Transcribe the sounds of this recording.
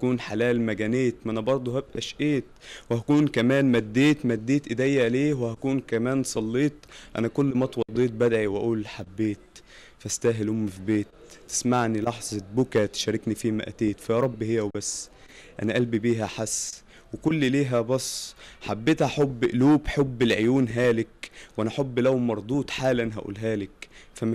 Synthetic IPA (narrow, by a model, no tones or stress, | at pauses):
ækuːnħalæːlmæɡæneːt̪mʔænæbɑɾˤd̪ˤohæb̚ʔæʃʔeːt̪̚wehækuːnkæmæːnmæd̪ːeːt̪mæd̪ːeːt̪ʔɪd̪æjːæleːwehækuːnkæmæːnsˤɑlːiːt̪ʔæ̰nækolːmæt̪wɑd̪ˤːeːt̪̚bæd̪ʕiwæʔuːlħabːeːt̪̚ | fæst̪æːɦelʔomːfibeːt̪̚ːɪ̥smaʕnilɑħzˤet̪̚bʊkæt̪ʃæɾɪknifiːmæ̰ʔæ̰t̪eːt̪fæjɑɾˤɑbːhejːæwebæsː | ʔæ̰næʔælbibiːɦæħasː | wekolːliːɦæbɑsˤːħabːet̪hæħobːʔluːbħobːelʕejuːnɦæːlekwʔænæħobːlæhmɑɾˤd̪ˤuːt̪ˤħaːlænɦæ̰ʔṵːlɦæːlekfæm